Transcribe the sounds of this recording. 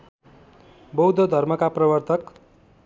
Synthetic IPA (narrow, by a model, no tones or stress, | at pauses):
bʌwd̪ʱʌd̪ʱʌrmʌkaprʌbʌrt̪ʰʌk